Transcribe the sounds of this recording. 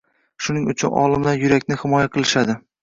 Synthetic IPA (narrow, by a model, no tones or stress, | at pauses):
ʃʊnɪŋʊ̰t͡ʃʰʊnɒ̰lˠɪmd̪ajʊɾakʲnɪhɪmɒjaqʰɨlˠɪʃad̪ɪ